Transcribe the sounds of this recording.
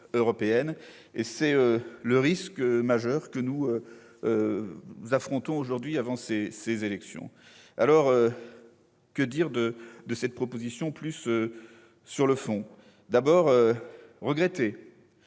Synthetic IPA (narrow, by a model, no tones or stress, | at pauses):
øʁɔpeɛn | esɛøləʁiskmaʒœʁkənuø | zafχɔ̃t̪ɔ̃oʒuʁd̪ɥiavɑ̃sesezelɛksjɔ̰̃ | a̰lɔʁø | kəd̪iʁd̪əd̪əsɛt̪̚pχɔpozisjɔ̃plysøː | yʁləfɔ̃ | d̪abɔʁøʁəɡʁet̪e